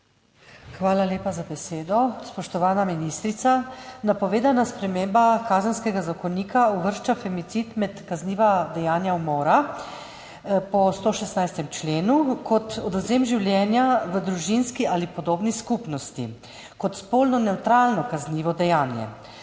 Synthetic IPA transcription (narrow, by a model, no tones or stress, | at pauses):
xʋaːlaleːpazabɛseːd̪ɔspɔʃt̪ɔʋaːnaminist̪ɾit̪sanapɔʋeːd̪anaspɾɛmembakaːzənskɛɡazakɔniːkauʋəɾʃt͡ʃafɛmit̪sit̪mɛt̪kazniːʋad̪ɛjaːnjawmoːɾa | pɔst̪oːʃɛst̪najst̪ɛmt͡ʃleːnukɔt̪ɔd̪ɔzeːmʒiwljɛːnjaʋəd̪ɾuʒinskiʔalipɔd̪oːbniskupnɔst̪ḭ | kɔt̪spolnɔnɛwt̪ɾaːlnɔkazniːʋɔd̪ɛjaːnjɛ̰